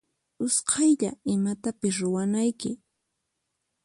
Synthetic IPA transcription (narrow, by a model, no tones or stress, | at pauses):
ʊsqʰɑjʎa̰ɪmat̪apɪs̬ɾʊwanajkɪ